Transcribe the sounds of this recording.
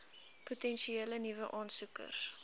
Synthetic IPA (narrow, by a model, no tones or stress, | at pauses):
putɛnʃieːlənivəʔɑːnsukə̰rs